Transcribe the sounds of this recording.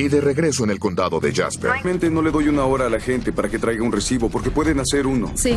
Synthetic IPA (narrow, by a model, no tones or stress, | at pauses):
iðe̞reɣɾe̞so̞enelko̞nd̪aðo̞ðe̞̰ʝa̰spḛɾmẽ̞nt̪eno̞le̞ðo̞junao̞ɾaːlaxe̞nt̪e̞paɾake̞t̪ɾajɣaunresiβo̞po̞ɾkepwe̞ðenase̞ɾuno̰i